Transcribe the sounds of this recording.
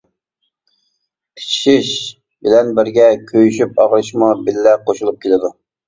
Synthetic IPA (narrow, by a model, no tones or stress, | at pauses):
kʲʰi̥t͡ʃʰi̥ʃiʃ | bɪlɛnbɪɾɡʲɛkʲʰøjyʃypɑʁɾɨʃmɑbɪlːɛqʰoʃulˠup̚kʲʰelɪd̪u